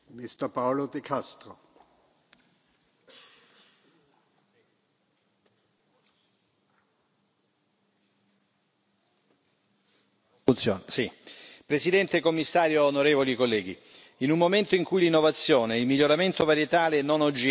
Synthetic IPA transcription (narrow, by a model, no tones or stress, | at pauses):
mist̪əpawlod̪ekʰast̪ɾo | unt̪sonsipɾesid̪ɛnt̪ekomːisːaːɾjoːnoɾeːvolikolːɛːɡḭ | inummːoment̪oiŋkujlinːovat̪sːjoːneilmiʎːoɾament̪ovaɾjet̪aːlenonod͡ʒː